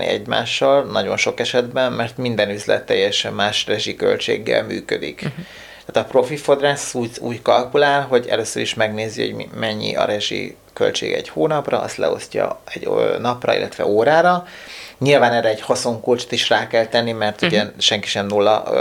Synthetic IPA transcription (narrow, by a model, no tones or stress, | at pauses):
nḭɛɟma̰ːʃːɒlnɒɟo̞nʃo̞kɛʃɛd̪bɛnmɛrt̪mind̪ɛnyzlɛ̰t̪ːɛjːɛʃɛmːaːʃrɛʒikø̞̰lt͡ʃḛːɡːɛ̰lmy̰ːkød̪ik | t̪aːt̪ɒpro̞fifo̞d̪raːsuːṵːckɒlkulaːlɦo̞ɟɛ̰løːsːøɾiʃmɛɡneːziho̰ɟmmɛɲːḭʔɒ̰ɾɛʒḭ | kø̞̰lt͡ʃḛːɡɛ̰ɟhoːnɒprɒɒ̰st̪lɛ̰o̞̰scɒ̰ɛɟnɒprɒ̰ḭlːɛt̪ʋɛ̰oːɾaːɾɒɲilvaːnɛrɛɛɟho̞so̞ŋkult͡ʃt̪iʃraːkɛlt̪ɛnːimɛrt̪uɟɛʃɛŋki̥ʃɛmnulːɒ̰